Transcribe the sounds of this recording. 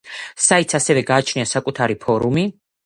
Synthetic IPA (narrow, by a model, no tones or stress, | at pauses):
sait̪sʰasɛvɛɡaːt͡ʃʰniasakʼut̪ʰaɾipʰɔɾumi